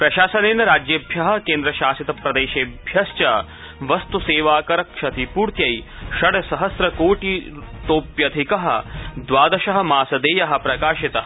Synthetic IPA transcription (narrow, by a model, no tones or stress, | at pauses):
pɾɐʃaːsɐneːnɐɾaːd͡ʒjɐbʱjɐɦɐ̆keːnd̪ɾɐʃaːsit̪ɐpɾɐd̪eːʃeːbʱjɐst͡ʃɐ | ʋɐst̪useːʋaːkɐɾɐkʂɐt̪ʰipuːɾt̪jɐjʃɐɽɐsɐɦɐsɾɐkoːʈi | t̪oːpjɐd̪ʱikɐɦɐ̰̆d̪ʋaːd̪ɐʃɐɦɐ̆maːsɐd̪eːjɐɦɐ̆pɾɐkaːʃit̪ɐɦɐ